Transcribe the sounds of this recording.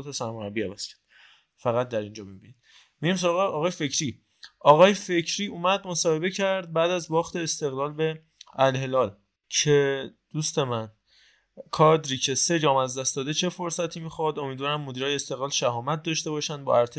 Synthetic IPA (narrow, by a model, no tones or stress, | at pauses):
t̪ʰɒsæɾmoɾæbiævæz̥cʰæ̥ɾd̪̥ | fæɣæt̪̚d̪æɾind͡ʒɒːmibinid̪ | miɟims̬oɾɒɣeɒːɣɒːjefe̞cʰɾiː | ʔɒːɣɒːjefe̞cʰɾiːuːmæd̪mo̞sɒːhe̞be̞cʰæɾd̪̚bæːd̪æzbɒːxt̪ʰe̞ːst̪e̞ɣlɒːlbe̞ | ælhe̞lɒːl | cʰe̞d̪̥ust̪e̞mæn | kʰɒːd̪ɾiːcʰe̞se̞d͡ʒɒːmæzd̪æst̪d̪ɒːd̪et͡ʃʰe̞fo̞ɾsæt̪ʰiːmiːxɒd̪o̞miːd̪vɒːɾæmːod̪iːɾɒːjeest̪e̞ɣlɒːlʃæhɒːmæt̪̚d̪ɒːʃt̪e̞bɒːʃænd̪bɒ̰ːʔæɾt̪ʰe